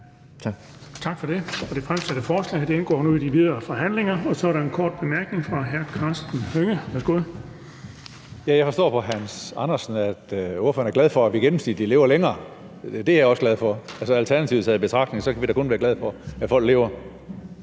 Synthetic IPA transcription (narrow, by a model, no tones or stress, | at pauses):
t͡sʰɑ̈ɡ̥fɒ̽d̥e̝ɒ̽d̥e̝fʁamsæɾ̥əfɒːslɛ̰ɪd̥e̝enɡ̥ɒ̰ːnuid̥iʋið̞ˠɐːfɒ̽ɦæn̰le̝ŋɐɒ̽sɒæɐɾɑ̈e̝nkʰɒ̰ːd̥̚b̥e̝mæɐɡ̥ne̝ŋfʁɑ̈ɦæɐkʰɑ̈sd̥n̩høŋəʋæɐsɡ̥o̝ð̰ˠ | jæjɑ̈ɪfɒ̽sd̥ɔ̰ːpʰɒ̽ɦænsɑ̈nɐsn̩æd̥oɐfø̰ɐnæɐɡlæð̞ˠfɒ̽æʋiɡ̥enm̩sḭd̥ile̝ːʊɐleŋɐː | d̥e̝æjɒ̽sɡ̥læðˠfɒ̽ælsəælt͡sʰæɐnæt͡sʰiʊshæð̩ˠb̥e̝t͡sʰʁɑ̈ɡ̥dne̝ŋsɒ̽kʰæʋiɾ̥ækʰɔ̽nʋæːɐɡ̥læð̞̩ˠfɒ̽æfɒ̽l̰ɡ̥le̝̰ːʊɐ